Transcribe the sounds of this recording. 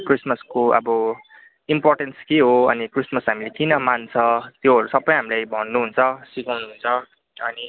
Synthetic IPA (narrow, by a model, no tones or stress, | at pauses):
krismʌskoʌ̰bʌ | imporʈenskeɦoʌnikrismʌsɦamilekinʌmant͡sʰʌt̪joɦʌɾusʌbːʌj̃ɦamilajbʱʌnːuɦunt͡sʰʌsikawnuɦunt͡sʰʌ | ʌni